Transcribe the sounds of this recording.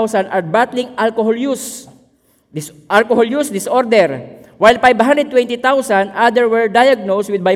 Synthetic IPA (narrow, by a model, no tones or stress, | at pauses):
wsanʔaɹbat̪lɪŋʔalkohɔljus | ʔalkohɔljusd̪ɪsʔoɾd̪ɛɹ | wajlpajbhãnd̪ɾɛd̪̚wɛ̃nt̪it̪awsand̪ʔad̪ɛɹwɛɹd̪ajaɡ̚noswɪd̪̚ba